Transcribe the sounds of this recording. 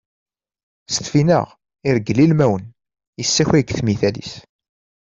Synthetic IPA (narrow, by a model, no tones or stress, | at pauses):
st̪finə̰ʁ | ɪɾəɡlilmæwən | jəsːæçiɡθmiθælḭs